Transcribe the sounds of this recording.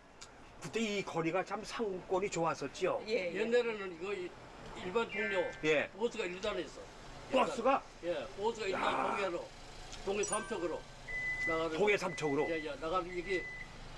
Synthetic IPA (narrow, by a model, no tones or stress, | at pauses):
kɯt͈e̞ikʌɾiɡat͡ɕamsʰaŋuk͈wʌɲit͡ɕoas͈ʌt̚t͡ɕ͈iojenːaɾenɯniɡʌ | iɭbantoŋɲoje̞osʰɯɡaiɭdanes͈ʌ | k͈as͈uɡa | jeosɯɡaianoɡiaɾo | toŋesʰamt͡ɕʰʌɡɯɾo | naɣaɾɯt̪oŋesʰamt͡ɕʰʌɡɯɾoajanaɣaeɡe